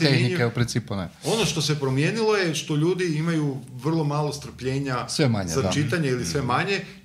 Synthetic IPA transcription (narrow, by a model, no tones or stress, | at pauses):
exnikeupɾint̪siːpuneo̞no̞ʃt̪o̞se̞pɾo̞mje̞ːnilˠo̞jeʃt̪o̞ʎuːd̪iimajuʋr̩lˠo̞maːlˠo̞st̪r̩pʎe̞ːɲasʋema̰ɲat͡ʃit̪aɲailisʋe̞maɲe̞